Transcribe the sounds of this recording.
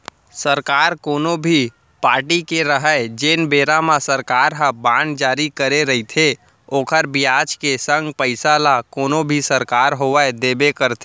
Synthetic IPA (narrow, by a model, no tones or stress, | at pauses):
səɾkaːɾkoːnobʱi | paːɾʈikeɾəɦəed͡ʒeːnbeːɾamãsəɾkaːɾɦə̃bãːnd͡ʒaːɾikəɾeɾəɦit̪ʰe | oːkʰəɾbijaːd͡ʒkesə̃ŋɡpəɪsalakoːnobʱisəɾkaːɾɦoʋəd̪eːbekəɾt̪ʰe